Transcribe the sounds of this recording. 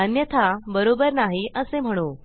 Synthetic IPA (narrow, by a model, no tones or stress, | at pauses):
ənjət̪ʰabəɾobəɾnaɦiʔəsem̤əɽ̃o